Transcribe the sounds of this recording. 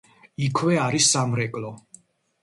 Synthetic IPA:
ikʰwɛaɾisːamɾɛkʼlɔ

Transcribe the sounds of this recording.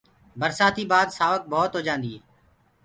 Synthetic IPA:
bəɾsaːt̪ʰiːbaːd̪saːʋək̚bɔːt̪ɦoːd͡ʒãːnd̪iːeː

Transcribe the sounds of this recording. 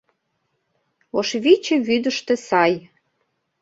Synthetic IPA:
oʃβit͡ɕeβyd̪əʃt̪ĕsɑj

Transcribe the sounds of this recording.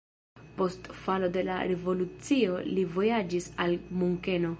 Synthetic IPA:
po̞stfalo̞de̞la̰ɾe̞vo̞lut͡sio̞livo̞jad͡ʒisalmuŋke̞no̞

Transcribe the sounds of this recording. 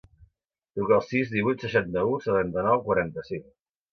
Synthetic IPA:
t̪ɾukəːlˠsizðiβujt̪səʃant̪əusət̪ant̪ənɔwkwaɾant̪əsiŋ

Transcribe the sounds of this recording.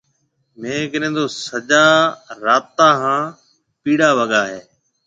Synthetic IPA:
mẽːkəɗẽːnd̪oːsəd͡ʒaːɾaːt̪ãːɦãː | piːɽaːʋəɠaːɦeː

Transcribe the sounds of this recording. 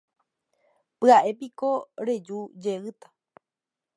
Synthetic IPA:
pɨaʔe̞piko̞ɾe̞d͡ʒud͡ʒeɨt̪ḁ

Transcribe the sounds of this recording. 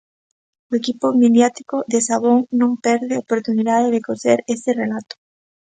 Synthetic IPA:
ʊekipomeðjat̪i̥koðesaβ̞oŋnõmpɛɾðɪaopoɾt̪uniðaðeðekoθeɾeserelat̪ʊ̥

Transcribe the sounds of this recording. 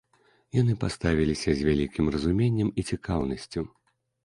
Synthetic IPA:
janɨpast̪avʲilʲisʲɐzʲvʲalʲikʲimrɐzumʲenʲːɛmit͡sʲikʰawnɐsʲt͡sʲu

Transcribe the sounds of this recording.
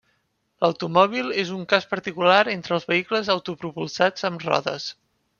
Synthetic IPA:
ləwt̪umɔβ̞ilˠezuŋkaspəɾt̪ikulaɾent̪ɾəːlˠzβəikləzəwt̪upɾupulˠsad͡zəmrɔ̰ðə̰s

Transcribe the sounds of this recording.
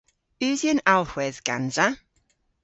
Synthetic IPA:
ʉːðjənalˠhwɛðɡ̥a̰nza

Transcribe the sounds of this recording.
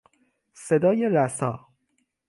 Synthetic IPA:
sed̪ɒːjeɾæsɒː

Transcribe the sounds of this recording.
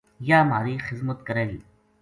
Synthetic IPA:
jaːmaːɾiːxɪzmət̪kəɾeːɡiː

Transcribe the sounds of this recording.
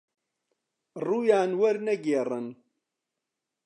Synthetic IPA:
rˤːujaʕnwæɾnæɡɪrˤːən

